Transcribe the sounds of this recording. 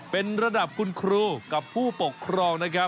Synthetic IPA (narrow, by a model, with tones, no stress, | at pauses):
pe˧nɾa˧da˨˩p̚kʰu˧nkʰɾuː˧ka˨˩pʰːuː˥˩po˨˩kʰːɾɔː˧ŋna˦˥kʰa˦˥